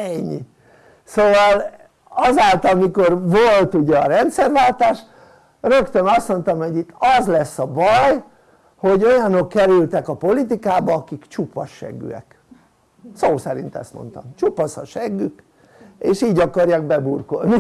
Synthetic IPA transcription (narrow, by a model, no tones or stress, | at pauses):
ɛɲːi | soːvɒl | ɒzaːlt̪ɒmiko̞rvolt̪uɟɛɒɾɛnt̪sɛrʋaːlt̪aːʃ | rø̞kt̪ønɒst̪mo̞nt̪ɒmho̞ɟit̪ːɒzlɛsːɒbɒj | ho̞ɟo̞jɒno̞kːɛɾylt̪ɛkɒpo̞lit̪ikaːbɒɒkikt͡ʃupːɒʃːɛ̰ɡːy̰ɛ̰k | soːsɛɾḭnt̪ɛ̰st̪mo̰nt̪ɒ̰mt͡ʃupɒsɒ̰ʃɛɡːyk | eːʃiːɟɒkɒrjaːɡbɛburkolni